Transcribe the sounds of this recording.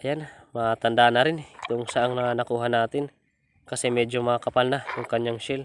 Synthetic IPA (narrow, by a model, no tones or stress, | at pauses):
ʔɐjanmat̪ɐnd̪anɐɾɪnt̪oʔŋsɐʔaŋnɐnɐkuːɦanaːt̪ɪn | kɐsɛmɛːd͡ʒomakɐpalnaj̪ʊŋkɐɲjaŋʃɪl